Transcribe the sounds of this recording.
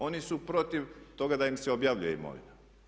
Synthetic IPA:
o̞nisupɾo̞t̪iʋt̪o̞ɡad̪aimseobjaːʋʎujeḭmo̞̰ʋḭna

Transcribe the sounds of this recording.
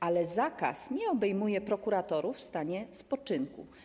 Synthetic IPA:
ʔalɛzaka̰sɲɛɔbɛjmujɛpɾɔkuɾat̪ɔɾufst̪aɲɛspɔt͡ʂɘŋkṵ

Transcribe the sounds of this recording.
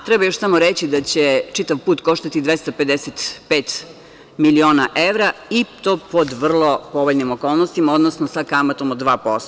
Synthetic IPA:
t̪ɾɛbajoʃsamoɾet͡ɕid̪at͡ɕet͡ʂit̪aʋpuːt̪ko̞ʃt̪at̪id̪ʋest̪ape̞d̪eset̪peːt̪ | milioːnaʔeʋɾait̪oːpod̪ʋr̩lˠopoʋoʎnimokoːlˠnost̪imao̞d̪nosnosakamat̪omod̪ʋaːpost̪o

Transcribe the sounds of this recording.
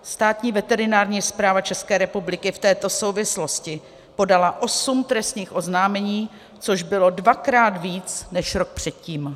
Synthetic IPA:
st̪aːt̪ɲiːvɛt̪ɛɾɪnaːɾɲiːspɾaːvat͡ʃɛskɛːɾɛpublɪkɪft̪ɛːt̪o̞sowvɪslo̞scɪ | po̞dalaʔo̞sumt̪ɾɛst̪ɲiːxʔo̞znaːmɛɲiː | t͡so̞ʒbɪlo̞dvakɾaːt̪viːt͡snɛʃɾok̚pr̝̥ɛt̪̚ciːm

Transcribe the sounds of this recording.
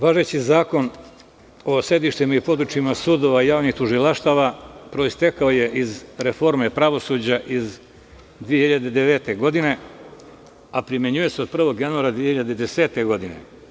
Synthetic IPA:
ʋaːʒet͡ɕizaːko̞n | o̞se̞d̪iʃt̪imaipo̞d̪ɾut͡ʃimasuːd̪o̞ʋaijaːʋnixt̪uʒilaʃt̪aʋapɾo̞ist̪ekaoje̞ʔizɾefo̞ɾme̞pɾaʋo̞suːd͡ʑaʔiz | d̪ʋije̞hiʎad̪ed̪eʋeːt̪e̞ɡo̞d̪ine̞ | apɾimeɲuje̞seo̞d̪̚pr̩ʋo̞ɡjanuaɾad̪ʋiehiʎad̪ed̪ese̞ːt̪e̞ɡo̞d̪ine̞̰

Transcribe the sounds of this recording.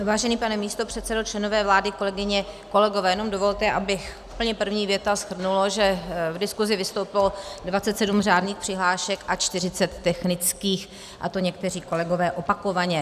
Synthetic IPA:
vaːʒɛniːpanɛmiːst̪o̞pr̝̥ɛt̪sɛdo̞t͡ʃlɛnovɛːvlaːdɪko̞lɛɡɪɲɛko̞lɛɡo̞vɛːjɛnomdovo̞lt̪ɛʔabɪxʔu̥pl̩ɲɛpr̩vɲiːvjɛt̪asxr̩nuloʒɛvdɪskuzɪvɪst̪owpɪlodvatt͡sɛt̪sɛdumraːdniːxpr̥ɪɦlaːʃɛkʔat͡ʃt̪ɪr̝ɪt͡sɛt̪ːɛxnɪt͡skiːx | ʔa̰t̪o̞ɲɛkt̪ɛr̝iːko̞lɛɡo̞vɛːʔo̞pako̞vaɲɛ

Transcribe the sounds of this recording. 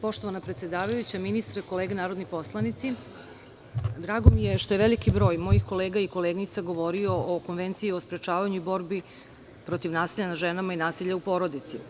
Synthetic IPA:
po̞ʃt̪o̞ʋanapɾet̪sje̞d̪aːʋajut͡ɕaminist̪ɾeko̞leːɡenaːɾo̞d̪nipo̞slˠanit̪si | d̪ɾaːɡo̞mije̞ʃt̪oeʋe̞likibɾo̞ːjmo̞jixko̞leːɡaiko̞leːɡnit̪saɡo̞ʋo̞ɾio̞oko̞nʋe̞nt̪siiospɾe̞t͡ʃaːʋaɲuibo̞ɾbi | pɾo̞t̪iʋnaːsiʎanaʒenamainaːsiʎaupo̞ɾo̞d̪it̪si

